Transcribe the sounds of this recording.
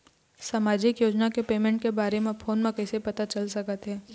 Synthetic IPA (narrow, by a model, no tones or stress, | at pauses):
saːmaːd͡ʒɪkjoːd͡ʒnakepeːmɛ̃ɳʈkebaːɾemẽpʰoːnmẽkɛːsepɐt̪at͡ʃɐlsɐkət̪ɦɛː